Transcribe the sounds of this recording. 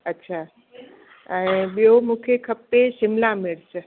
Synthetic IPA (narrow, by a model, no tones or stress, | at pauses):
ətːɕʰaː | ə̃ĩɓijomũkʰekʰəpːesɪmlamɪɽsə